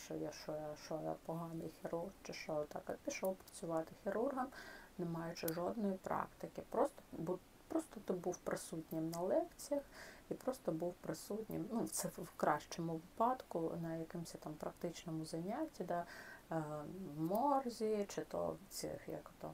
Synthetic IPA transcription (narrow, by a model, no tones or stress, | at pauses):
t͡ʃɔ̰jaʃɔjaʃɔjɛ̰pɔɦɑnɪjxʲiɾurht͡ʃɪʃɔjt̪ɑkɐ̰pʲiʃɔwpɾɐt͡sʲʊʋɑt̪ɪxʲiɾurɦɐmnemɑjʊt͡ʃɪʐɔd̪nɔjipɾɑ̰kt̪ɪkɪpɾɔst̪ɔ̥bu | pɾɔst̪ɔt̪ɪbuwpɾɪsutʲnʲɪmnɐlˠɛkt͡sʲijɐxipɾɔst̪ɔbuwpɾɪsutʲnʲɪ̰mnut̪sɛwkɾɑʃt͡ʃɔmʊʋɪpɑd̪kʊ̰nɐjɐkɪmʊsʲɐt̪ɑmpɾɐkt̪ɪt͡ʃnɔmʊzɐnʲatʲːid̪ɑ | wmɔrzʲit͡ʃɪt̪ɔ̰t͡s̪ʲɪ̰xjɐ̰kt̪ɔ̰